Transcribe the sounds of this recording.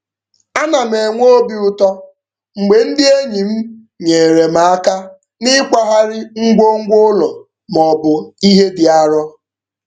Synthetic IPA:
a˦na˨m̩˨e˨ŋʷo˦bi˦ʊ˨tɔ˦ | ŋ͡m̩˨ɡ͡be˨n̩˦dɪ˦e˦ɲi˨m̩˦ | ɲe˨ɾe˨ma˨a˦ka˦ | nɪ˦kʷa˦ɦa˦ɾɪ˦ŋ̩˦ɡʷo˦ŋ̩˦ɡʷo˦lɔ˨ | mɔ˨bʊ˨i˦ɦe˦dɪ˨a˦ɾɔ˦

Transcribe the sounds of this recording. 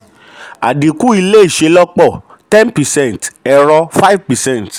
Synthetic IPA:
a̰˨di˨ku˦i˧le˦i˦˨ʃe˧˦lɔ˦k͡pɔ˦˨ | tɛ̃˦npɛ˨sɛ̃˦˨ntɛ˧ɾɔ˧fa˦i˦vpɛ˨sɛ̃˦˨nt

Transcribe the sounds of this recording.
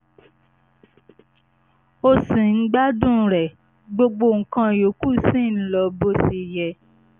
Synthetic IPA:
o˧sĩ˨n̩˦ɡ͡ba˦dũ˦˨ɾɛ˨ | ɡ͡bo˧ɡ͡bo˧˨ŋ̩˨kã˧˨jo˨˦ku˦sĩ˦˨n̩˦lɔ˧bo˦si˧jɛ˧

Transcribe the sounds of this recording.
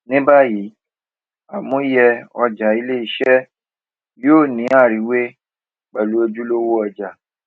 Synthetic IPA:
nĩ˦ba˦˨ji˨˦ | a˨mũ˦jɛ˧ɔ˧d͡ʒa˨i˧le˦i˧˦ʃɛ˦ | joː˦˨nĩ˨˦a˦˨ɾi˨˦we˦ | k͡pɛ˨lu˨˦e˧d͡ʒu˦lo˦wo˦ɔ˧d͡ʒa˨

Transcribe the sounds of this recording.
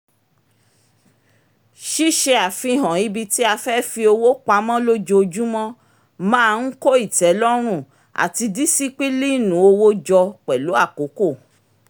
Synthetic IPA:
ʃi˦ʃe˧a˨fĩ˧˨ɦã˨i˨˧˦bi˧ti˦a˧fɛ˦fi˧o˧wo˦k͡pa˧˦mɔ̃˦lo˦d͡ʒo˧o˧d͡ʒu˦mɔ̃˦ | mã˦˧ŋ̩˦ko˦i˦˨tɛ˨˦lɔ˦ɾ̃ũ˦˨ | a̰˨ti˧di˦si˦k͡pi˦li˦˨nũ˨˦o˧wo˦d͡ʒɔ˧k͡pɛ˨lo˨˦a˦˨ko˨˦ko˦˨

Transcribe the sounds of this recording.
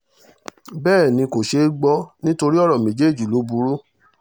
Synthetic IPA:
bɛː˦˨nĩ˧ko˨ʃe˧˦ɡ͡bɔ˦nĩ˦to˧ɾi˦ɔ˦˨ɾɔ˨mẽ˨˦d͡ʒe˦˨d͡ʒu˨lo˨˦bu˧˦ɾu˦

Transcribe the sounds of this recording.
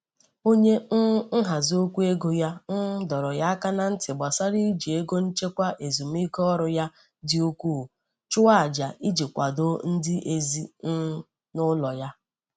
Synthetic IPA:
o˦ɲe˦ŋ̩˦ɦa˨zo˦kʷu˦e˦ɡo˨ja˦n̩˦dɔ˨ɾɔ˨ja˦a˦ka˦na˦n̩˦tɪ˨ɡ͡ba˨sa˦ɾi˦d͡ʒi˨e˦ɡo˦n̩˦t͡ʃe˦kʷa˦ʔe˨zu˨m̩˦i˦kɔ˦ɾʊ˨ja˦ | dɪ˦u˦kʷu˦˨ | t͡ʃʊ˦wa˦a˨d͡ʒa˨ʔi˦d͡ʒi˨kʷa˨do˦n̩˦dɪ˦ʔe˨zi˦n̩˦ | nʊ˦lɔ˨ja˦

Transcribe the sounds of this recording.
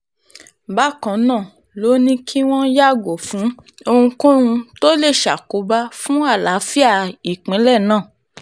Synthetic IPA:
ba˦kã˨nãː˦˨ | lo˨˦nĩ˦kʰi˦w̃ɔ̃˦ja˦˨ɡo˨fũ˨˦o˧hũ˧kõ˦ɾ̃ũ˧to˦le˦˨ʃa˨ko˨˦ba˦fũ˨˦a˦˨la˨˦fi˦a˦˨i˨k͡pĩ˨˦lɛ˦˨nãː˦˨

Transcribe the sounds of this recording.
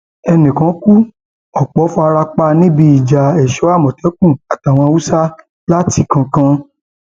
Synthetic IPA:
ɛ˧nĩ˨kã˨˦ku˦ | ɔ˨k͡pɔ˨˦fɔ˦a˧ɾa˧k͡pa˧nĩ˦bi˧i˨d͡ʒa˨ɛ˨ʃɔ˨˦a˦˨mɔ̃˨tɛ˨˦kũ˦˨a˨ta˨w̃ɔ̃˧a˧wu˦sa˦ | la˦ti˧˦kã˧kã˧

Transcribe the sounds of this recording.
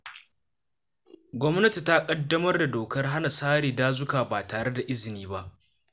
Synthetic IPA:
ɡʷɔ˦mnɐ˦ti˨ta˦kʼɐ˦dːɐ˦mɐ˦rda˨doː˨kɐ˦rɦa˦na˨saː˦ɾiː˨daː˦zʊ˦kaː˨baː˨taː˨ɽe˦da˨ʔɪ˦zɪ˨niː˦ba˦ʔ

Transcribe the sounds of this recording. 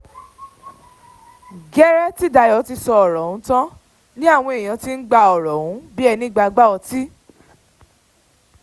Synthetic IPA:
ɡɛ˦ɾɛ˦ti˦da˧jɔ˨˦ti˧sɔ˧ɔ˨ɾɔ˨wũ˨˦tã˦ | nĩ˦a˦˨w̃ɔ̃˧e˨j̃ã˨˧ti˦n̩˦ɡ͡ba˧ɔ˨ɾɔ˨wũ˨˦bi˦ɛ˧nĩ˦ɡ͡ba˧ɡ͡ba˦ɔ˧ti˦

